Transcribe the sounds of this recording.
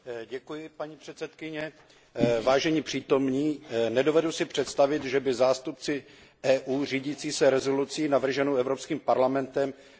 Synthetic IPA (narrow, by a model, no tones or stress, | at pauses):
ɟɛkujɪpaɲipr̥ɛt̪sɛt̪kɪɲɛ | vaːʒɛɲiːpr̥iːt̪o̞mɲiːnɛdo̞vɛdusɪpr̥ɛt̪st̪avɪt̪ʒɛbɪzaːst̪up̚t͡sɪ | ɛːʔuːriːɟiːt͡siːsɛɾɛzo̞lut͡siːnavr̩ʒɛnowʔɛvɾopskiːmpaɾlamɛnt̪ɛm